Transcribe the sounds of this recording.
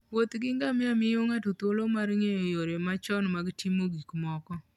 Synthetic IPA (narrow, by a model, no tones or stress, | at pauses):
wot̪ɡɪŋɡamɪamɪjoŋatot̪olomaɾŋejɔjoɾjɔmat͡ʃɔnmaɡtʰimoɡikmɔkɔ